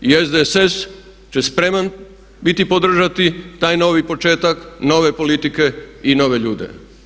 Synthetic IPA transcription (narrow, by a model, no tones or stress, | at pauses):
iezd̪eses | t͡ɕespɾe̞man | bit̪ipod̪r̩ʒat̪it̪aːjno̞ːʋipo̞t͡ʃe̞ːt̪akno̞ːʋe̞po̞lit̪ike̞ino̞ːʋe̞ʎuːd̪ḛ